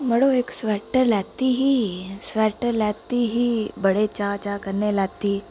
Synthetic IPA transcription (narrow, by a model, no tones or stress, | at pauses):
məɽoeksʋɛʈəlaɡt̪iːɦiːsʋɛʈəɾlat̪iːɦiːbəɽet͡ɕat͡ɕakəɾnelaɡt̪iː